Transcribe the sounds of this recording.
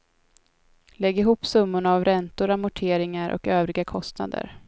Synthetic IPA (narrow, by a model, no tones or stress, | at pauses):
lɛɡɪɦuːpsɵmːʊɳaːvɾɛnt̪ʊɾamʊʈʰeːɾɪŋaɾʔɔ̰køːvɾɪɡakʰɔst̪na̰d̪ə̰ɾ